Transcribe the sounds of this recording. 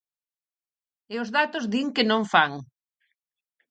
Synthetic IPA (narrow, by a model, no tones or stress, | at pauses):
eʊzðat̪ʊzðiŋkenõɱfaŋ